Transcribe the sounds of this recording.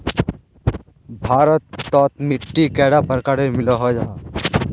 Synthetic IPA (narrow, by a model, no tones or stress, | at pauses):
bʱaːɾət̪ːɔːt̪mɪʈːikɛɽapəɾkaɾemɪloɦod͡ʒaː